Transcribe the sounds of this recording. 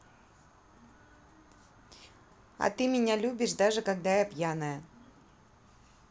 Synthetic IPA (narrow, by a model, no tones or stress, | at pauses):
ɐ̰t̪ɨmʲɪnʲalʲubʲɪʂd̪aʐɨkɐɡ̚d̪ajapjanəjə